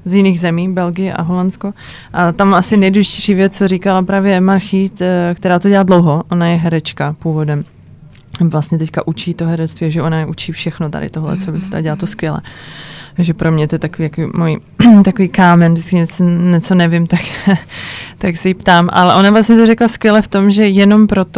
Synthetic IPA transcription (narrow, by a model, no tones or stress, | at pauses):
zjɪniːɣzɛmiːbɛlɡɪjɛʔa̰ɦolansko | ʔat̪amasɪnɛjduʒɪ̥cɛjʃiːvjɛt͡st͡soɾikalapɾaːvjɛmaɾxit̪kt̪ɛɾaːt̪oɛlaːdlowɦoʔo̞najɛɦɛɾɛt͡ʃkapuːvo̞dɛm | vlast̪ɲɛt̪ɛckaʔut͡ʃiːt̪oɦɛɾɛt͡sst̪viːʒɛʔonajɛʔut͡ʃiːfʃɛxnot̪a̰dɪ̰t̪oɦlɛ̰t͡sobɪst̪a̰ɟɛlaːt̪oskʋjɛlɛ̰ | ʒɛpɾʔo̞mɲɛt̪ojɛt̪akoviːjakoviːmoji | t̪akoviːkaːmɛndɪt͡skɪɲɛt͡soɲɛt͡so̞nɛvɪmt̪ak | t̪aksɛjipt̪aːmʔa̰lɛʔo̞navlastɲɛt̪oɾɛklaskʋjɛlɛft̪o̞mʒɛjɛno̞mpɾo̞t̪o